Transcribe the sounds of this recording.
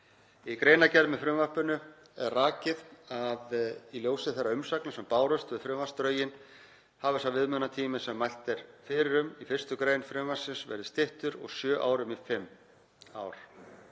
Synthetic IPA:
ikɾejnacɛɾðmɛfɾʏmvarpʏnʏ | ɛ̰ðraːcɪðaðiljoːwsɪθɛrːaʏmsaknasɛmpaːwɾʏst̪vɪðfɾʏmvast̪ɾœːɥjɪn | havʏsawvɪðmʏnat̪ʰiːmɪsɛmːajl̥t̪ɛɾ̥fɪːɾɪɾʏmifɪr̥st̪ʏkɾeːjnfɾʏmvḁsɪnsvɛ̰ɾðɪst̪ɪht̪ʏɾɔ̰ɣsjœːʔa̰ːwɾʏmifɪmː | a̰ːwɾ̥

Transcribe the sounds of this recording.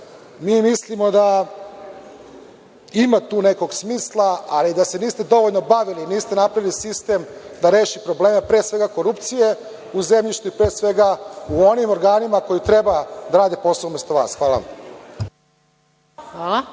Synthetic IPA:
miːmislimo̞d̪a | imat̪uːne̞ko̞ɡsmiːslˠaaliːd̪ase̞niːst̪e̞d̪o̞ʋoʎno̞baʋiliniːst̪enapɾaʋilisist̪e̞md̪aɾe̞ːʃipɾo̞ble̞ːmepɾeːsʋe̞ɡako̞ɾupt̪sije̞ | uzemʎiʃt̪uipɾe̞ːsʋe̞ɡauo̞nimo̞ɾɡaːnimako̞jit̪ɾe̞bad̪aɾaːd̪epo̞saoumest̪oʋa̰ːsxʋaːla̰ | ala

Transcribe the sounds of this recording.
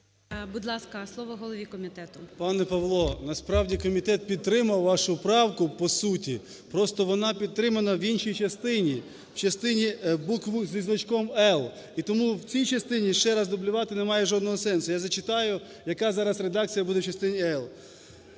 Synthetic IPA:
bud̪lˠɑskɐslˠɔʋɔɦɔlˠɔʋʲikɔmʲit̪ɛt̪ʊpɑnɛpɐʋlˠɔnɐspɾɑwdʲikɔmʲit̪ɛt̪̚pʲid̪̚t̪ːɾɪmɐwʋɑʃʊpɾɑwkʊpɔsutʲi | pɾɔst̪ɔʋɔnɑpʲid̪t̪ːɾɪmɐnɐʋinʃijt͡ʃɐst̪ɪnʲi | wt͡ʃɐst̪ɪnʲibukʋuzʲʋʲiznɐt͡ʃkɔmɛlˠ | it̪ɔmuwt͡sʲijt͡ʃɐst̪ɪnʲiʃt͡ʃɛɾɑzd̪ʊblʲʊʋɑt̪ɪnɛmɑjɛʒɔd̪nɔɦɔsɛnsʊjazɐt͡ʃɪt̪ɑjʊ | jɐkɑzɑɾɐsred̪ɑk̚t͡sʲijɐbud̪ɛwt͡ʃɐst̪ɪnʲiɛlˠ

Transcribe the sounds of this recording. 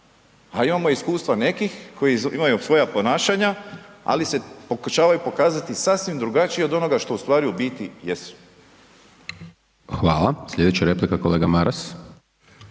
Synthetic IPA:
aimamo̞iskuːst̪ʋane̞kixko̞jiḭmajusʋo̞japo̞naːʃaɲaa̰lise̞pokuʃaːʋajupo̞kaːzat̪isasʋimd̪ɾuɡat͡ʃiio̞d̪o̞no̞ɡaʃt̪o̞ust̪ʋaːɾiubit̪ijesu̥ | xʋaːlˠaslʎʲe̞d̪et͡ɕaɾe̞plikakoleːɡamaɾas

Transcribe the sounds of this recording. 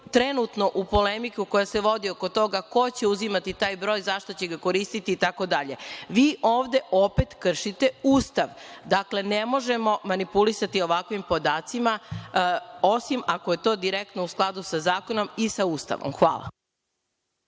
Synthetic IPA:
t̪ɾenut̪no̞ʔupo̞lemikuko̞jaseʋo̞d̪iokot̪o̞ɡako̞t͡ɕe̞uzimat̪it̪aːjbɾo̞ːjzaʃt̪o̞t͡ɕeɡako̞ɾist̪it̪iːt̪ako̞d̪aʎe̞ʋiːʔoːʋd̪e̞ʔopet̪kr̩ʃit̪euːst̪aʋd̪akle̞nemo̞ʒemo̞manipulisat̪io̞ʋakʋimpod̪aːt̪sima | osimakoje̞t̪o̞ːd̪iɾek̚t̪nousklˠad̪usazaːkono̞misauːst̪a̰ʋo̰mxʋa̰ːlˠa̰

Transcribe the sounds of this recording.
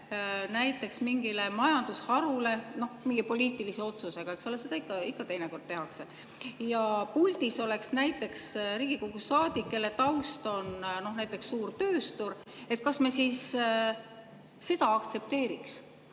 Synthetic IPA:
næjt̪ːˑe̞ksmiŋɡ̥ilemɑjɑnd̪̥ushɑɾule̞no̞hmiŋɡ̥ipo̞lʲiːt̪ˑilise̞o̞t̪suse̞ɡ̥ɑe̞ksolese̞d̪ɑikːˑɑikːˑɑt̪e̞jneko̞rd̪̚t̪e̞ɦɑkse̞ | jɑpulʲt̪iso̞le̞ksnæjt̪ːˑe̞ksɾiːɡ̥ikoɡ̥usːɑːd̪̥ikːe̞le̞t̪ɑwst̪o̞nno̞hnæjt̪ːˑe̞ksːuːrt̪ø̞ːst̪uɾ | e̞t̪̚ˑkɑsmesiːs | e̞d̪ɑɑkt̪se̞p̚t̪e̞ːɾiks

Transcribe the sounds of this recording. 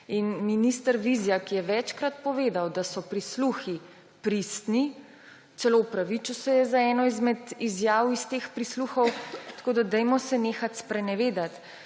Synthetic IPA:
inminist̪əɾʋizijakijɛʋɛt͡ʃkɾat̪̚pɔʋeːd̪awd̪asɔpɾisluxi | pɾist̪ni | t̪sɛlowpɾaʋit͡ʃusɛjɛzaɛːnɔizmɛd̪izjaːwist̪eːxpɾisluxɔwt̪ɐḁkoːd̪ad̪ɛjmɔsɛneːxat̪spɾɛnɛʋeːd̪at̪

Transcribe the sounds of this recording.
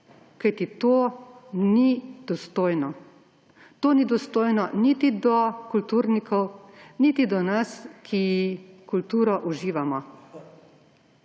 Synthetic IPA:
kajt̪it̪oːnid̪̥ɔst̪oːjnɔ | t̪oːnid̪ɔst̪oːjnɔnit̪id̪ɔkult̪uːɾnikʰɔwnit̪id̪ɔnaskʰijikult̪uːɾɔʔuʒiːʋamɔ

